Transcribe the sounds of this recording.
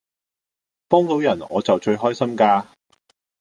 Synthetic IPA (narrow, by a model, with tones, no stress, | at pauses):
pɔː˥ŋt̪o˨˥wjɐ˨˩nɔː˨˧t͡sɐ˨wt͡ʃɵ˧ɥɦɔː˥jsɐ˥mkaː˧